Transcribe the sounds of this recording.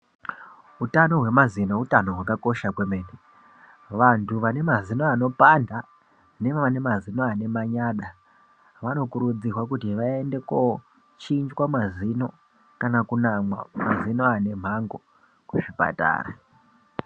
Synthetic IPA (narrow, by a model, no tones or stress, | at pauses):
utano̞ɦwe̞mazino̞utano̞ɦwakako̞ʃakwemeːne | ʋantʰuʋane̞mazino̞ano̞panda | ne̞ʋaʋane̞mazinoane̞maɲaːɗa | ʋano̞kuɾud͡zirwakutiʋae̞nde̞ko | t͡ʃind͡ʒwamazino̞̰ | kanakunamwa̰mazino̞ane̞m̤aŋɡo̞ | kweʐipa̰ta̰ːɾa